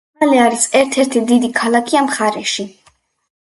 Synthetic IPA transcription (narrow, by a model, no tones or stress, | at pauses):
aliaɾisɛɾt̪ʰɛɾt̪ʰid̪id̪ikʰalˠakʰiamχaɾɛʃi